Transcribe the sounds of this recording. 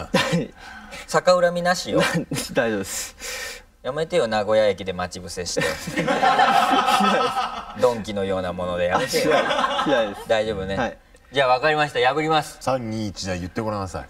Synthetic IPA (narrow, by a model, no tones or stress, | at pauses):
aisakaɯ̟ɾamʲinaɕijod̪aiʑod̪es | jame̞t̪e̞jo̞naɡo̞jajekʲid̪e̞mat͡ɕibɯ̟se̞ɕi̥t̪e | ɕinad̪esd̪õ̞ŋkʲino̞jo̞ːnamo̞no̞d̪e̞jaaet̪eiaiaid̪esd̪aiʑo̞ːbɯne̞i | d͡ʑaːβakaɾʲimaɕi̥t̪ajabɯɾʲimasɨ̥sãɲʲːĩt͡ɕid̪aijɯ̟t̪ːe̞moɾanasa̰